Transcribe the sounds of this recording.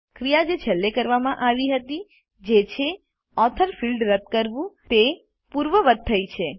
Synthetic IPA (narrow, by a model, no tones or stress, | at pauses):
kɾijad͡ʒet͡ʃʰəlːekəɾʋamãʔaʋiɦət̪i | d͡ʒet͡ʃʰe | ɔt̪ʰəɾfilɖɾət̪̚kəɾʋũt̪e | puɾʋəʋət̪̚t̪ʰːəjt͡ʃʰe